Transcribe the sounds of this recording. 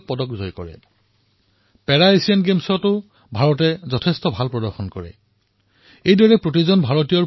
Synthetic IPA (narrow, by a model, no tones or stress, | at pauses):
pɔdɔkzɔjkɔɹɛ̰ | pɛɹaesianɡemsɔtʊ | bʱaɹɔt̬ɛzɔtʰɛstɔbʱalpɹɔdɔɹxɔnkɔɹɛ̰ | ejdɔɹɛpɹotizɔnbʱaɹɔtijɔ